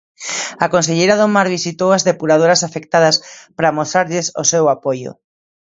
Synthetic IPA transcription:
akõnseʎejɾaðomaɾβisit̪owazðepuɾað̞oɾasafek̚t̪aðɐspɾamost̪ɾaɾʎesosewapojo̰

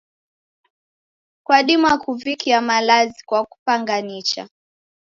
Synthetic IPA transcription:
kwaɗimuakuvikʰiamalazikwaku̥paŋɡanit͡ʃa̰

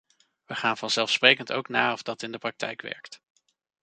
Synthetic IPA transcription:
ʋəχaːnvɑnz̥ɛlˠfsprejkəntowknaːɔvdɑtɪndəprɑk̚tɛ̰jkʋɛ̰ɹkt

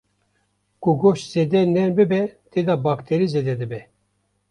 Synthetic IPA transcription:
kuɡoʃz̥eːd̪ɛnɛnbɨbɛt̪ed̪ɑbɑːkt̪ʰeɾized̪ɛd̪ɨbɛ

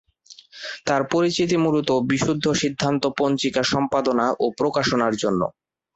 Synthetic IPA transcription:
t̪aɾpoɾit͡ɕit̪̬imulut̪obiʃud̪ʱːoʃid̪ʱːant̪opont͡ɕikaʃɔmpad̪onaʔopɾokaʃonaɾd͡ʑonːo̰

